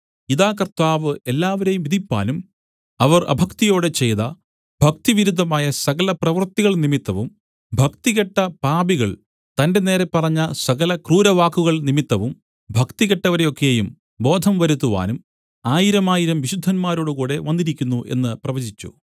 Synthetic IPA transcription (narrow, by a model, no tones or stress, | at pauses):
iðaːkɐrt̪aːʋɨe̞lːaːʋɐɾe̞jumʋiðʱipːa̰ːnum | ɐʋɐrɐ̰bʱɐkt̪ijo̞ːɽet͡ɕe̞jðɐ | b̥ʱɐk̚t̪iʋiɾud̪ʱːɐmaːjɐsɐɣɐlɐprɐʋɐrt̪ːiɣɐɭnimit̪ːɐʋum | bʱɐkt̪iɣɐʈːɐpaːbiɣɐɭ | t̪ɐnde̞ne̞ːɾe̞pːɐrɐɲːɐsɐɣɐlɐkruːɾɐʋaːkːuɣɐɭnimit̪ːɐʋum | bʱɐkt̪iɣɐʈːɐʋɐɾejo̞kːe̞jum | bo̞ːd̪ʱɐmʋɐɾut̪̬ːuʋa̰ːnum | aːjiɾɐmaːjiɾɐmʋiɕud̪ʱːɐnmaːɾoːɽukuːɽe̞ʋɐnːiɾikʲːunːuʔe̞̰nːɨprɐʋɐd͡ʑit͡ɕːṵ